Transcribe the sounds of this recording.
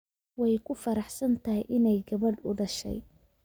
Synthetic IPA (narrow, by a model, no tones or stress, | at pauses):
wɑjkʰʊfɐɾɑħsɐnt̪ʰɐɦɪjʔɪnɛjɡɐβɐɖʊɖɐʃɛ̰j